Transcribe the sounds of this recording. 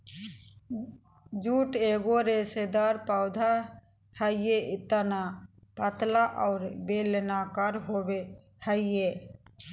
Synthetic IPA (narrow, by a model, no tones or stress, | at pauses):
d͡ʒuːʈeːɡoɾesed̪aɾpaʊd̪ʱa | həɪjeɪt̪əna | pət̪laʔaːɾbelnakaɾɦobe | həɪje